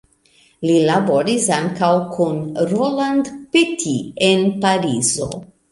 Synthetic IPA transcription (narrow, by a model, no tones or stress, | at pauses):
lilaboɾisaŋkawkʰunɾoland̪petʰienpaɾizo̰